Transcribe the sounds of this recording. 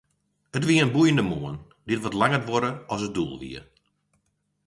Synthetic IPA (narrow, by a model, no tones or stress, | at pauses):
ətʋiəənbujəndəmuən | dɪtʋɔtlaŋətʋɔɾəɔs̬ət̚dṵlˠʋḭər